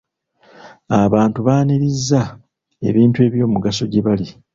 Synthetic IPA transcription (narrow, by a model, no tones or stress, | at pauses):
aβaːntuβaːniɾizːa | e̞̰βiːntueːβjo̞ːmuɡaso̞ɟeβali